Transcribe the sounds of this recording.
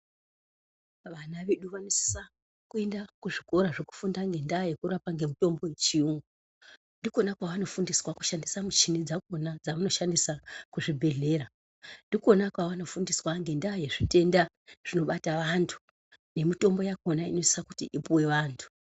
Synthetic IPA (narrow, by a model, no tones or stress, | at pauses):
ʋanaʋeɗuʋanosi̥sa | kue̞ndakuʐiko̞ɾaʐeku̥fundaŋɡe̞ndaːje̞kuɾapaŋɡe̞mito̞mbo̞jet͡ʃiuŋɡu | ndiko̞nakwaʋano̞fundiswaku̥ʃandisamut͡ʃinid͡zakonad͡zaʋano̞ʃandisakuʐibʱe̞ɮe̞ːɾa | ndiko̞nakwaʋano̞fundiswaŋɡe̞ndajeʐite̞nda | ʐ̥ino̞ɓataʋantʰu̥ | ne̞mito̞mbo̞jako̞naino̞sisaku̥tiʔipuwe̞ʋaːntʰu̥